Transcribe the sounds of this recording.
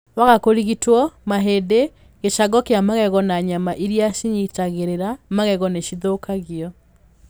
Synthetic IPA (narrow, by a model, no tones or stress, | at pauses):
waɣakoɾiɣitwɔmaɦede | ɣeʃaɡɔkeamaɣɛɣɔnaɲamaʔiɾjaʃiɲitaɣeɾeɾamaɣɛɣɔneʃiðokaɣiɔ